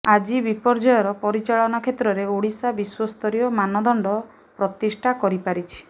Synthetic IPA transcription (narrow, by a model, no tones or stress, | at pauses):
ad͡ʒibipɔɾd͡ʒɔjɔɾɔpɔɾit͡ʃaɭɔnɔkʰet̪ɾɔɾeuɽisabiswɔst̪ʰɔɾijɔmanɔd̪ɔɳɖɔ | pɾɔt̪isʈʰakɔɾipaɾit͡ʃʰi̥